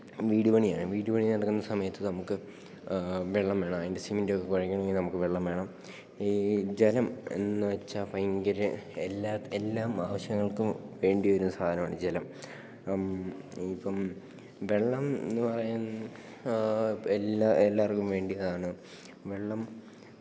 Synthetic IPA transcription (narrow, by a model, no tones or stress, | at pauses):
ʋiːɽubɐɳijaːɳɨʋiːɽubɐɳinɐɽɐkːunːɐsɐmɐjɐt̪ːɨnɐmukːɨ | ʋeɭːɐmʋe̞ːɳɐmɐːðinde̞simindeokːekuɻɐkʲːɐɳɐmeŋɡilnɐmukːɨʋeɭːɐmʋeːɳɐm | id͡ʑelɐme̞̰nːɨʋɐt͡ɕːɐfɐjŋɡɐɾɨelːaːelːaːmaːʋɐɕjɐŋːɐɭkumʋe̞ːɳɖijɐoɾunsaːd̪ʱɐnɐmaːɳɨd͡ʑelɐm | ipːɐm | ʋe̞ɭːɐmenːɨpɐrɐjun | elaelːaːrkːumʋe̞ːɳɖijɐðaːɳɨ | ʋeɭːɐm